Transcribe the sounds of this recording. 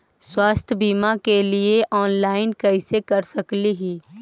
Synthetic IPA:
swaːst̪ʰjəbiːmakelieʔɔːnlaːɪnkɛɪsekɐɾsɐkliɦiː

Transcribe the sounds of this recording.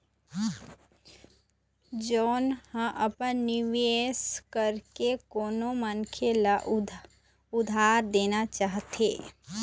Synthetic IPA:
d͡ʒɔːnhə̃ʔəpənːɪʋeːskəɾkekoːnomənkʰelaʔ | ʊd̪ʱaːɾd̪eːnat͡ʃaːɦt̪ḛː

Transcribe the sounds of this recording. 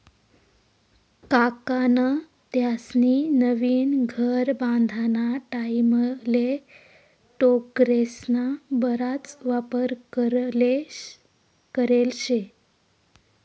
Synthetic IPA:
kakanə | t̪jasninəʋiːnɡʱəɾbãnd̪ʱanaʈaiməle | ʈokɾesnabəɾat͡sʋapəɾkəɾle | kəɾelɕe

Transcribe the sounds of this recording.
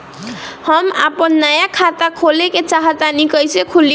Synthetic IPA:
hʌma̰pʌnːajakʰat̪akʰoleket͡ʃaɦʌt̪anikʌjsekʰuli

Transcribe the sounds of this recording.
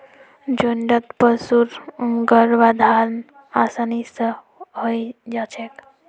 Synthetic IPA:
d͡ʒoɳɖət̪pəsuɾɡəɾʋad̪ʱaɾn | asanisə̃ | ɦojd͡ʒat͡ʃʰek

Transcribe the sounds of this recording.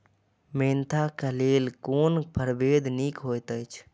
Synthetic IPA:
ment̪ʰakəlelkonpʰəɾbed̪ʱnikɦojt̪əjt͡ʃʰ

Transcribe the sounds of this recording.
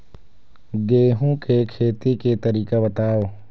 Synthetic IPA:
ɡeːɦũkekʰeːt̪iket̪əɾiːkabət̪aːo

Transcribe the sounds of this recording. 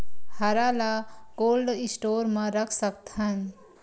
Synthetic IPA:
hɐɾaːlaɡoːlɖɪsʈoːɾmãɾəkʰsək̚t̪ɦɐn

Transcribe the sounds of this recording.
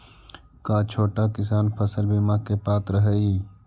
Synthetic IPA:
kat͡ʃʰoːʈakɪsaːnpʰəsəlbimaːkepaːt̪ɾəɦəːiː

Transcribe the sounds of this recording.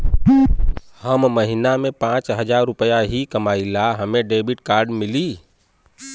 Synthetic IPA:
həmːəɦinamẽpãːt͡ʃɦəd͡ʒaːɾʊpəjaɦikəmaːilaɦəmẽɖeːbɪʈkaːɾɖmɪli

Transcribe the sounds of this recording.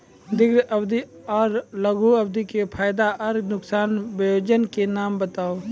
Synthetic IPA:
d̪ɪɡɾʔɐbd̪iɔːɾləɡʱuɐb̚d̪ikepʰaːjd̪aʔɐɾɡnʊksaːnbəjoːd͡ʒənkenaːmbət̪aːo

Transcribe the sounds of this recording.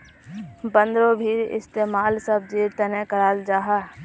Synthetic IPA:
bə̃nd̪ɾobʱiːɾɪ̰st̪eːmaːlsəb̚d͡ʒiːɾt̪ənekəɾaːld͡ʒaːɦaː

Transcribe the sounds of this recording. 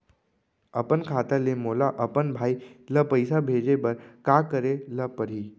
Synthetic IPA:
əpənkʰaːt̪alemoːlaʔəpənbʱaːiləpəjsabʱeːd͡ʒebəɾkakəɾeləpəɾiː

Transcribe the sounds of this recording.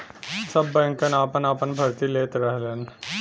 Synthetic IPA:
sɐbːɛ̃ŋkənaːpənapənbʱɐɾt̪ileːt̪ɾɛɦleːn

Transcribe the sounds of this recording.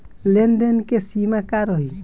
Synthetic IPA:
lenɖenkesimakaɾɔɦi

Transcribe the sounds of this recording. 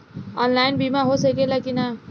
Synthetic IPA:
ɔːnlaːɪnbʱimãɦosekelakina

